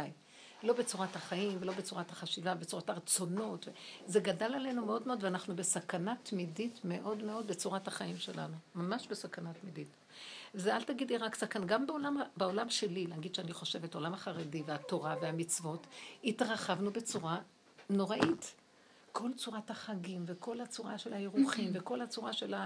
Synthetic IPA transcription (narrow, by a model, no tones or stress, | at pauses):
aj | lo̞be̞t͡suʁathaχaimvelo̞bet͡suʁathaχaʃivavbet͡suʁataʁt͡so̞no̞tvezeɡadalale̞numeo̞d̪meo̞dveanaχnubesakanatmiditme̞ʔo̞dme̞o̞d̪̚be̞t͡suʁathaχaimʃe̞la̰numamaʃbe̞sakanatmidit | vezealtaɡidliʁaksakanɡambeolambeo̞lamʃe̞lilaːɡid̪ʃeaniχo̞ʃe̞veto̞lamhaχaʁediveato̞ʁaveamit͡svo̞thitʁaχavnube̞t͡suʁa | no̞ʁaʔit | kʰo̞lt͡suʁathaχaɡimveko̞lhat͡suʁaʃe̞lhajeʁuχimve̞ko̞lat͡suʁaʃe̞la